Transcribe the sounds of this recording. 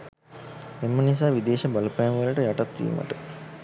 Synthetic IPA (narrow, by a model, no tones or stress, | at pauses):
emːənis̬aːʋid̪eːʃɐbalupajamʋələʈəjaʈat̪ʋḭːmə̰ʈə